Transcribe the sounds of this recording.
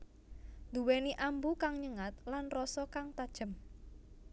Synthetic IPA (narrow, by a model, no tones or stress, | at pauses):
d̪uweniʔambukaŋɲəŋat̪̚lanrɔsɔkaŋt̪ad̥ʒ̥ə̤m